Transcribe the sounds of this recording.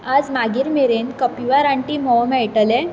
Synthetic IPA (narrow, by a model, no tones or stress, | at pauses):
ad͡zmaɡiːɾmeɾenkəpiʋaɾãɳʈiːmɔwmɛɭʈəle